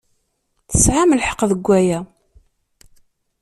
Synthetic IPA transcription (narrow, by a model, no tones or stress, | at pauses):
θəsʕaməlħə̥qːðəɡʷːæjæ